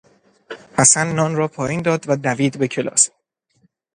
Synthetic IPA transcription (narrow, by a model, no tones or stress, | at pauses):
hæsænːɒːnrɒːpʰɒːjiːnd̪ɒːd̪væd̪æviːd̪be̞kcʰe̞lɒ̰ːs